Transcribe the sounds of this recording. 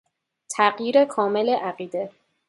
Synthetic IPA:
t̪ʰæɢjiːɾekʰɒːme̞leʔæɢiːd̪e̞

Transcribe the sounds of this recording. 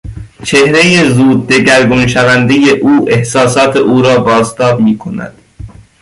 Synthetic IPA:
t͡ʃʰe̞hɾejezuːd̪̚ːe̞ɟæɾɡonʃævænd̪ejeʔuːʔe̞hsɒːsɒːt̪ʰe̞ʔuːɾɒːbɒːzt̪ʰɒːbmiːkʰo̞næ̰d̪̥

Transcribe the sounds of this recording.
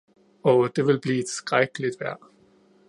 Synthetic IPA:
oʊd̥e̝ʋelb̥liːed̥sɡ̥ʁaɡ̥əlid̥ʋæɐ̰

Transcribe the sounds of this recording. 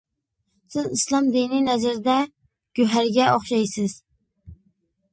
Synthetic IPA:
sɪzislˠɑmd̪ininɛzɪɾd̪ɛ | ɡ̥ʲøɦæɾɡʲɛoχʃɑjsɪz̥

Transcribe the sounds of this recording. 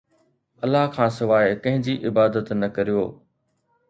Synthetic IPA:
ɐlːaɦkʰãːsʊʋaːekɐ̃ɦɪ̃ɲd͡ʑiːʔɪbaːd̪ət̪nɐkɐɾijoː

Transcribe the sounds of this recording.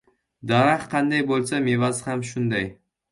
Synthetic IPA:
d̪aɾahqʰɑnd̪ajbolˠsamevazhamʃʊnd̪aj

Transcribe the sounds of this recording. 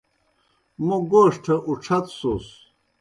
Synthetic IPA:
muɡoːʂʈʰɐʔuʈ͡ʂʰɐt̪sos

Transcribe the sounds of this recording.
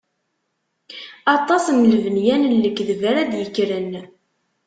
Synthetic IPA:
ɑt̪ˤɑsmələvənjænəlːəkːðəvəɾæd̪jəkːɾən

